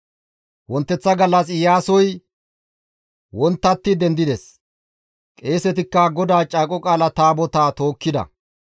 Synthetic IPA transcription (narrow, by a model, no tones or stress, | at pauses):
wɔnt̪ːɛt͡sːɐɡɐlːɐsɪjaːsɔj | wɔnt̪ːɐt̪ːɪd̪ɛnd̪ɪd̪ɛs | kʼe̞ːsɛt̪̬ɪkːɐɡɔd̪aːt͡ʃʼaːkʼɔkʼaːlɐt̪aːbɔt̪aːt̪o̞ːkːɪd̪ɐ̰